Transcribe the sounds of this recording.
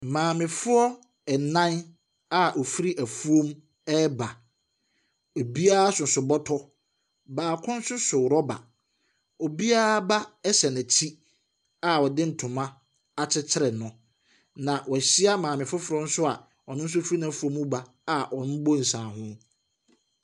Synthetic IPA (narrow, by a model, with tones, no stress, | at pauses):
mãː˨mɪ̃˨fʊ˦ɔ˦ | ɛ˨nã˦n | a˨ʔɔ˨fi˦ɾi˦ʔæ˨fu˦o˦m | ɛ˦ba˨ | o˨bi˦a˦a˦sʊ˨sʊ˨bɔ˦tʰɔ˦ | baː˨kʰʊ̃˦n̩˦sʊ˦sʊ˨wɾɔ˦ba̰˨ | o˨bi˦a˦ɾa˦ba˦ɛ˦ɕɛ˨næ̃˨tʰi˦ | a˨wɔ˨dɪ̃˦n̩˨tʰʊ̃˨mã˦ | a˨t͡ɕʰɪ˦t͡ɕʰɪ˦ɾɛ˨nʊ̃˨ | nã˨wɔ˨ɕi˦a˦mãː˨mɪ̃˨fʊ˦fʊ˨ɾɔ˦n̩˦sʊ˦a˨ | ɔ˨nʊ̃˦n̩˦s̬ʊ˦fɾi˦nã˦fʊ˦o˦m˦ʊ̃˦ba˨ | a˨ʔɔ˨nʊ̃˦bo˦n̩˨sãː˨ɦʊ̃˦